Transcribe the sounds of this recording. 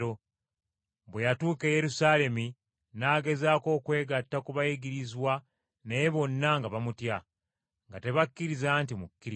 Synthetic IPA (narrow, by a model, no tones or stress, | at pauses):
o | βwe̞jatuːke̞je̞ɾusaːle̞mi | naːɡe̞zaːko̞ːkwe̞ːɡatːakuβajiɡiɾizwa | neβo̞nːaŋɡaβamutja | ŋɡate̞βakːiɾizaːntimukːiɾ